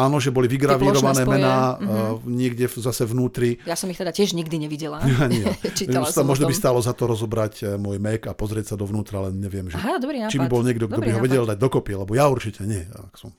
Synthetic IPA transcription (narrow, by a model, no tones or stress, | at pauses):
aːnɔʒɛbɔliʋiɡɾaʋiɾɔʋanɛːmɛnaːɲɪɛɡɟɛzasɛvnuːt̪ɾijasɔmixt̪ɛd̪acɪɛʒɲiɡd̪iɲɛʋiɟɛlaaɲiɛt͡ʃit̪amʊɔʒnɔbist̪aːlɔzat̪ɔɾɔzɔbɾacmʊɔjmɛkapɔzɾɪɛcsad̪ɔʋnuːt̪ɾalɛnɲɛʋɪɛmʒɛdɾit͡ʃibbibɔlɲɪɛɡd̪ɔɡd̪ɔbiɦɔʋɛɟɛld̪aɟ̚d̪ɔkɔpialɛbɔjauɾt͡ʃicʰɛɲɪɛa̰ksɔm